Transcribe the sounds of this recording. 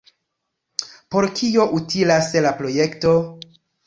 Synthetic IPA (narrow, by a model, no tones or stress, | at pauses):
po̞ɾkʰio̞ʔutilaslapɾo̞jekto̞